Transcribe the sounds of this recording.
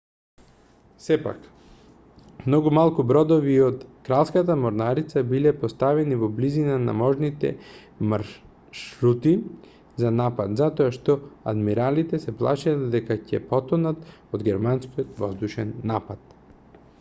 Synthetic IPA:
sɛpa̰k | mnɔɡumalˠkubɾɔd̪oviːot̪kɾalˠskat̪amoɾnaɾit̪sabilɛpost̪avɛnivɔblizinana̰mɔʒnit̪ɛ̰ | maɾ | ʃɾut̪i | zanapat̪zat̪ɔaʃt̪ɔa̰d̪miɾalit̪ɛsɛplˠa̰ʃaad̪d̪ɛkacɛpɔt̪ɔnat̪od̪ɡɛɾmanskiot̪vɔzd̪uʃɛnːapat̪̚

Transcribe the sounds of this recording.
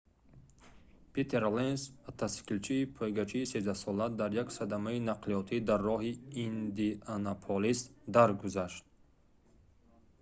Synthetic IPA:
pʰet̪ʰeɾlensbat̪ʰaskilt͡ʃʰiːpʰɔjɡat͡ʃʰiːsezd̪asɔlad̪aɾjaksad̪amainaqliɔt̪ʰid̪arːɔɦiːnd̪ianapʰolist̪d̪aɾɡuzaʃt̪̚

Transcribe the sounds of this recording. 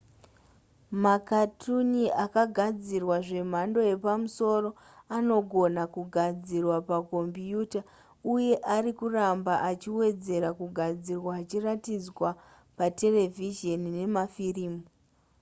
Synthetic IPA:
makatʰuniakaɡʱad͡zirwaʐe̞m̤ando̞je̞pamuso̞ro̞ | ano̞ɡʱo̞nakuɡʱad͡zirwapaɡʱo̞mbijuːta | uje̞ʔaɾikurambaʔat͡ʃiwe̞d͡ze̞ɾakuɡʱad͡zirwaːt͡ʃiratid͡zwa | pate̞le̞viʒe̞nine̞mafiriːmuu

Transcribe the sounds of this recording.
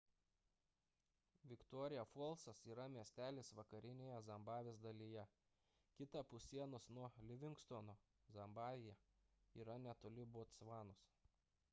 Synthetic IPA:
ʋʲɪkt̪ɔːɾʲɪjɛfɔlˠsɐsiːɾɐmʲiɛsʲt̪ʲæːlʲeːsʋɐkɐɾʲɪnʲeːjɛzɐmbɑːʋʲeːsd̪ɐlʲijɛ | kʲɪt̪ɑpʊsʲiɛnʊsnuɔlʲɪʋʲɪŋkst̪onoː | zɐmbɑːʋʲɪjɛ | iːɾɐnʲɛt̪oːlʲɪboːt̪sʋɑːnʊs

